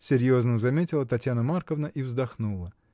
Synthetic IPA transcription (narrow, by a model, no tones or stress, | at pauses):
sʲɪɾʲjo̞znəzɐmʲetʲɪlˠət̪ɐtʲjanəmarkəvnəʔivzd̪ɐxnulˠə